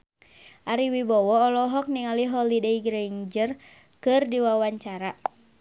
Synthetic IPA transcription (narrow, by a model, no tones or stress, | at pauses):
ʔaɾiwibɔwɔːlɔɦɔk̚niŋaliɦɔlidejɡɾeiɲd͡ʒər | kɨrdiwawaɲt͡ʃaɾa